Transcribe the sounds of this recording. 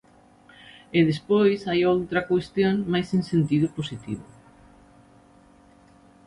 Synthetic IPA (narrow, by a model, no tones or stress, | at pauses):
eðespojsajowt̪ɾɐkwest̪joŋmajsẽŋsent̪iðʊposit̪ḭβʊ